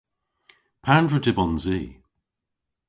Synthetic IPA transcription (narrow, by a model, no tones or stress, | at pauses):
pʰandɹədɪbɔnziː